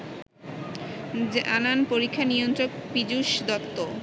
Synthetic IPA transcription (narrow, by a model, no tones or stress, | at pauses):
d͡ʑananpoɾikʰːaniont̪ɾok̚pid͡ʑuʃd̪ɔpt̪o